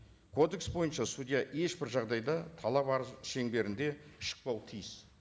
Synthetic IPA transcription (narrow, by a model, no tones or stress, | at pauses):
kʰo̞d̪e̞ksbo̞jənʃɑsud̪ijɑʔe̞ʃbɪɾʒɑʁd̪ɑjd̪ɑt̪ʰɑlˠɑpɑɾəzʃe̞ŋbe̞ɾɪnd̪e̞ʃə̥q̚pɑwt̪ʰijɪs